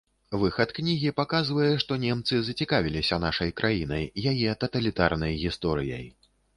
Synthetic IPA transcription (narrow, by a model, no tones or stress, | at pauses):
vɨxɐt̪knʲiɣʲipakazvɐjɛʂt̪ɔnʲɛmt̪sɨzɐt͡sʲikavʲilʲisʲɐnaʂɐjkɾʔajinɐjːajɛt̪ɐt̪ɐlʲit̪a̰rnɐjɣʲist̪ɔɾɨjɐ̰j